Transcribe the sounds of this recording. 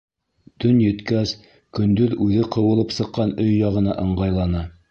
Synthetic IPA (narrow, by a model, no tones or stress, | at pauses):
t̪ɵnjɵ̆t̪kæs | kɵ̆nd̪ɵðʉðɘqɤ̆wɤ̆lˠɤpsɤ̆qːɑnɵjːɑʁɤ̆nɑʔɤ̆ɴɢɑjlˠɑnɑ